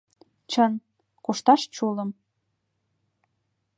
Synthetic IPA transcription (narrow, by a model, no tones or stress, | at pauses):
t͡ɕən | kuʃt̪ɑʃt͡ɕulə̆m